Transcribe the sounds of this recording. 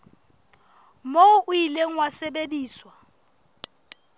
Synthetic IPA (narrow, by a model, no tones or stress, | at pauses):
moʊʔʊileŋ̩wasebediːswa